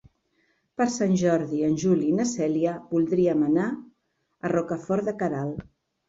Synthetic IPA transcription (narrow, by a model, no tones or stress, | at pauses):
pəɾsanʲʒɔɾðiənʲʒulinəsɛliəβulˠd̪ɾiəməna | ərɔkəfɔɾðəkəɾalˠ